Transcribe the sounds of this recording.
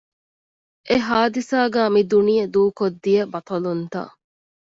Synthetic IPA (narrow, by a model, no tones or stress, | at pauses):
ʔeɦaːd̪isaːɡæːmid̪unijɐd̪uːkod̪ːijɐbɐt̪ɐlunt̪ɐ̰